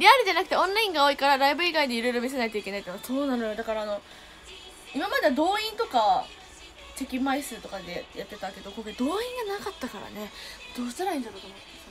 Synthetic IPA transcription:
ɾʲiaɾʲid͡ʑanakɯ̟̥t̪e̞õ̞nːaĩŋɡao̞ikaɾaɾaibɯ̟iɡaid̪e̞iɾo̞iɾo̞mʲis̬e̞nait̪o̞ikʲe̞nait̪ːnaso̞ːnanojod̪akaɾaːno̞ | imamad̪e̞d̪o̞ːĩnt̪o̞ka | t͡ɕekʲimaisɨt̪o̞kad̪ejat̪ːe̞t̪ake̞d̪o̞koɾed̪o̞ːĩŋɡanakat̪ːakaɾa̰ne̞d̪̥oːɕzɨɾaĩnd̪at̪okomo

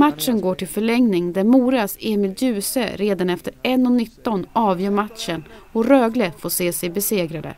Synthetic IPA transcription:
mat̪ʂənɡoːʈɪlfœɭɛŋnɪŋd̪æɾmuːɾaseːmɪljʉ̟ːsə̰ɾeːd̪anɛft̪əɾɛnːɔnɪt̪ːɔnɑːvjœːɾmat̪ʂənɔɾøːɡləfoːseːsɛjbɛseːɡɾad̪ə̰

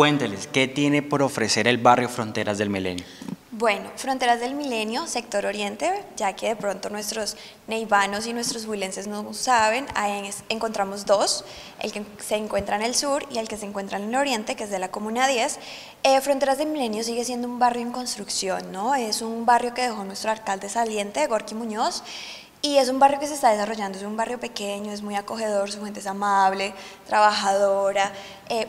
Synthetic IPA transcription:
kwe̞nt̪eleske̞t̪jenepo̞ɾofɾese̞ɾelβarjo̞fɾont̪e̞ɾazðelmilḛnjobwe̞no̞fɾo̞nt̪e̞ɾazðe̞lmile̞njo̞se̞k̚t̪o̞ɾo̞ɾje̞nt̪e̞d͡ʒake̞ðe̞pɾo̞nt̪o̞nwe̞st̪ɾo̞s | ne̞jβano̞s̬inwe̞st̪ɾozβwile̞nse̞znosaβe̞najseŋko̞nt̪ɾamo̞zd̪o̞s | ḛlke | se̞ːŋkwe̞nt̪ɾaene̞lsuɾielke̞seːŋkwe̞nt̪ɾanelo̞ɾjent̪e̞keezðe̞lako̞mũnaðje̞s | efɾo̞nt̪eɾazðemile̞njos̬iɣe̞sje̞nd̪oumbarjo̞eŋko̞nst̪ɾuksjo̞nːo̞e̞sunbarjo̞ke̞ðe̞xo̞nwe̞st̪ɾoaɾkald̪e̞salje̞nt̪e̞ɣoɾkimũɲo̞s | ie̞s̬umbarjo̞ke̞s̬est̪aðe̞s̬aro̞ʝand̪oesumbarjo̞pe̞ke̞ɲo̞ezmujako̞xe̞ð̞o̞ɾsufwent̪eesamaβle̞t̪ɾaβaxaðoɾa | e

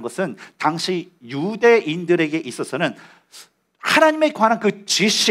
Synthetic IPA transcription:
nɡʌsʰɯntaŋɕʰi | jude̞ʔindɯɾe̞ɡe̞ʔis͈ʌsʰʌnɯn | hanaɲime̞kwanankɯt͡ɕiɕ͈ʰi

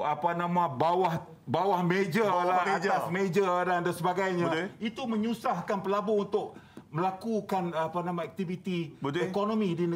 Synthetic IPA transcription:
apanãmãbawah | bawahmed͡ʒalaad͡ʒt̪assmed͡ʒadandansəbaɡajɲãit̪umə̃ɲusahkanpəlabount̪ʊʔ̚məlakukanapanãmãɛk̚t̪ivit̪iəekonõmĩdinə

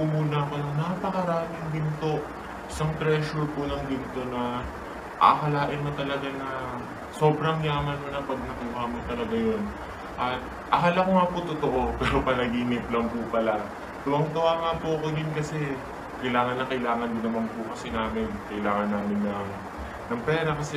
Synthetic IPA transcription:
umuːnɐɐko̞nɐŋnapɐkɐɾaːmɪŋbɪnt̪o̞ʔ | ʔɪsɐŋt̪ɾɛʃʊɹpʊnɐŋbɪnt̪o̞nɐ | ʔa̰kɐlaːʔɪnmɐt̪ɐlɐɡanɐ | so̞ːbɾɐŋlaːmɐnmonɐpɐɡ̚nɐkuːhɐmot̪ɐlɐɡajo̞n | ʔɐt̪ | ʔɐɦalɐkoŋaːpot̪ot̪oʔo̞pɛːɾo̞pɐnɐɡiːnɪplɐŋpʊpɐla | t̪ʊwɐŋt̪ɐwaŋapoɐkod̪ɪnkɐsɛ | kɐɪlaːŋɐnːɐkɐʔɪlaːŋɐnd̪ɪnɐmanpʊkɐsɛnaːmɪnkɐʔɪlaːŋɐnːaːmɪnːɐ | nɐŋpɛːɾɐkɐsɛ

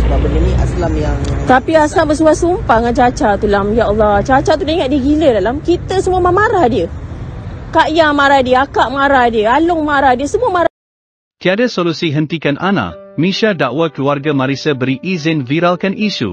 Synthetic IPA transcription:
səbabənənĩʔa̰slamjaŋt̪apiaslambəs̬uasumpaŋad͡ʒat͡ʃat̪ulamjaɔlːɔt͡ʃat͡ʃat̪udaŋaʔ̪̚diəɡilədalamkit̪əsəmuəmãmaɾahdiə | kaʔjamaɾahdiəakaʔmaɾahdiəalʊŋmaɾahdiəsəmũəmaɾa | t̪iadasolusiɦənt̪ikanʔa̰nã̰mĩʃadaʔwəkluarɡamãɾisəbəɾiʔizɪnviɾalkanʔiʃṵ

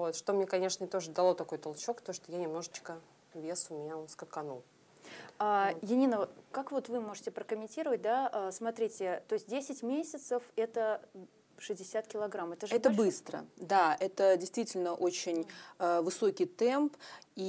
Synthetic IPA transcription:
vot̪ʂt̪omnʲekɐnʲe̞ʂnəɪt̪o̞ʐəd̪ɐlˠo̞t̪ɐko̞jt̪ɐlˠt͡ɕo̞kt̪oʂt̪ojanʲɪmno̞ʐət͡ɕkə | vʲesʊmʲɪnʲaskəkɐnulˠ | ajɪnʲinəkakvo̞t̪vɨmo̞ʐɨtʲɪpɾəkəmʲɪnʲtʲiɾəvət̚ʲd̪aʔəsmɐt̪ɾʲitʲɪt̪o̞ɪsʲt̚ʲdʲesʲɪtʲmʲesʲɪt̪səfɛt̪ə | ʂɨzʲdʲɪsʲat̪̚kʲɪlˠɐɡɾamɛt̪əʐɛt̪əbɨst̪ɾə̰d̪aɛt̪ədʲɪjst̪vʲitʲɪlʲnəʔot͡ɕɪnʲəvɨso̞kʲɪjt̪ɛmpi

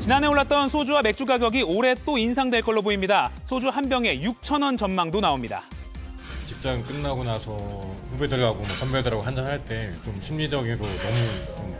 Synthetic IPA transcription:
t͡ɕinanɦe̞oɭːat̚t͈ʌnsʰod͡ʑuwame̞k̚t͡ɕ͈ukaɡjʌɡioɾe̞t͈oinsʰaŋdweɭk͈ʌɭːoboimɲidasʰod͡ʑuhanbjʌŋe̞juk̚t͡ɕʰʌnʌnt͡ɕʌnmaŋdonaomɲida̰ | t͡ɕip̚t͡ɕ͈aŋk͈ɯnːaɡonasʰʌɸubedɯɭɡaɡomʌsʰʌmbjʌɭdɯɾaɡoɦand͡ʑaŋhaɭt͈e̞t͡ɕomɕʰimɲid͡ʑʌɡiɾonʌmut͡ɕom

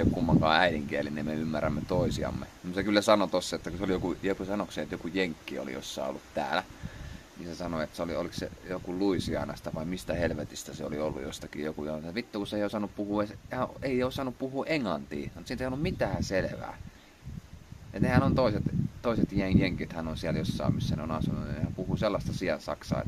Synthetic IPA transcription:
okkumːɑŋkɑ̰ːæiɾiŋkiælinemmeymːærːæmːet̪oˑisiɑ̰mːḛmut̪sekylːæsɑnot̪osːɑet̪ːækuseolijokujekusɑnokseet̪jokujeŋkːio̰lḭjo̰sːɑ̰io̰lːut̪t̪æ̰ːlæ | nisesɑnoet̪seolio̰liksḛjokuluisiɑ̰ˑnɑst̪æʋɑimist̪æhelʋet̪ist̪æseolḭolːṵjost̪ɑkḭjokujɑʋit̪ːukuseˑiosɑnuppuhuːeshɑeˑiosɑnuppuhuːʔeŋlɑ̰nt̪ḭːnt̪sint̪eˑiolːummit̪æːseleʋæ̰ː | enehænont̪oˑiset̪t̪oˑiset̪jeŋjeŋkit̪hænonsiæljosːɑ̰ːmisːæneonɑsunṵnehæmpuhuːselːɑst̪ɑsiɑnsɑ̰ksɑ̰ː

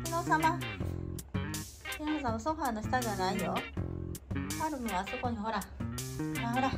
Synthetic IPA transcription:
inosama | kinosamasoɸaːnoɕi̥t̪adeβanaijo | haɾɯ̟mɯβaso̞ko̞ɲ̟iɦo̞ɾa | aɦoɾa

